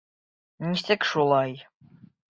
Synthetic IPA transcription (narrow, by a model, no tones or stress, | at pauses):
nisɘkʃulˠɑj